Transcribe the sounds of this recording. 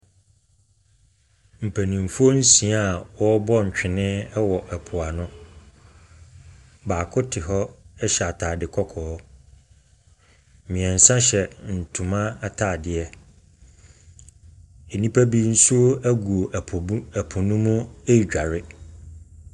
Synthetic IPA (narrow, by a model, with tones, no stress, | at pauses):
m̩˨pʰæ˨nĩ˨m˨fu˦o˦n̩˦sĩ˨a˦a˨wɔ˦bɔ˦ɲ̩˨t͡ɕᶣɪ˨nɪ̃˦ɛ˦wɔ˨ʔɛ˨pʰʊ˨a˨nʊ̃˦ | baː˨kʰʊ˦tʰɪ˨ɦɔ˦ɛ˦ɕɛ˨a˨tʰaː˨dɪ˨kʰɔ˦kʰɔː˨ɔ˦ | mɪ̃˨ɛ̃˨n̩˨sã˦ɕɛ˨n̩˨tʰũ˨mã˦a˨tʰaː˦˨dɪ˨ɛ˦ | e˨nĩ˦pʰæ˦bi˦n̩˦su˦æ˦ɡu˨o˨ʔʰɛ˨pʰʊ̃˨nũ˦mũ˦e˦i˨d͡ʑᶣa˨ɾɪ˦